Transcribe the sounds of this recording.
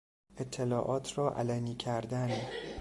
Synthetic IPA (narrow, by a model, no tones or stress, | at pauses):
et̪ʰːe̞lɒːʔɒːt̪ʰrɒːʔæ̰læniːcʰæɾd̪æn